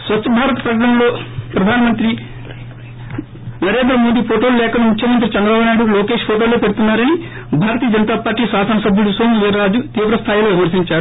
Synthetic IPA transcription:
sʋɐt͡ʃt͡ʃːɐbʱaːɾɐt̪ɐ̥pɾɐkɐɐmlo̞ːpɾɐd̪ʱaːnɐmɐnt̪ɾi | nɐɾeːd̪ɾɐmoːd̪ipʰoːʈoːlulɛːkɐmmukʰjɐmɐnt̪̬ɾit͡ʃɐnd̪ɾɐbaːbunaːjɽuloːke̞ːʂpʰoːʈoːloːpe̞ɽut̪unːaːɾɐni | bʱaːɾɐt̪ijɐd͡ʒɐnɐt̪aːpaːɾʈiːsaːsɐnɐsɐbʱjuɽusoːmʋeːɾɐɾaːd͡ʒut̪iːʋɾɐst̪ʰaːjilo̞ːʋjiɐmɐɾsiɲt͡ʃaːɾu

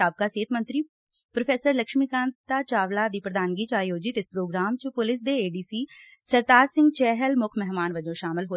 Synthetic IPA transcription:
aːb̚kaːseːt̪ʰmənt̪ɾiː | pɾopʰeːsəɾləkʃmikãːnt̪aːt͡ʃaːʋlaːd̪iːpɾəd̪aːnɡiːt͡ʃaːjoːd͡ʒɪt̪ɪspɾoːɡɾaːmt͡ʃpʊlɪs̬d̪eːeːɖiːsiː | səɾd̪aːɾsɪ̃ŋɡt͡ʃɛːɦəlmʊkʰmɛɦmaːnʋəd͡ʒõːʃaːmɪlɦoː

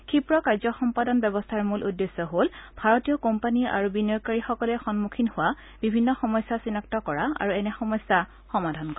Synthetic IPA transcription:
kʰipɹɔkaɹzɔxɔmpadɔnbɛbɔstʰaɹmulʔudːesːɔɦolbʱaɹɔtijɔkompania̰ɹubinɔɹkaɹixɔkɔlɛxɔnmukʰinhʊwa | b̥ibʱinːɔxɔmɔjsːasinaktɔkɔɹaa̰ɹuɛnɛxɔmɔsːa | xɔmadʱankɔ

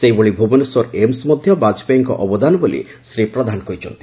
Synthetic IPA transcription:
seɦiboɭibʱubɔnuswɔɾemsmɔd̪ʱjɔbad͡ʒɔ̥pejŋkɔ̰ʔɔbɔd̪anɔbolḭ | sɾipɾɔd̪ʱanɔkɔjt͡ʃʰɔnt̪i̥

